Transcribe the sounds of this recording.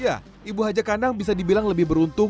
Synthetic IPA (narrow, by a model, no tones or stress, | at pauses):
ja | ibuɦad͡ʒakandaŋbis̬adibilaŋləbɪhbəɾunt̪ʊ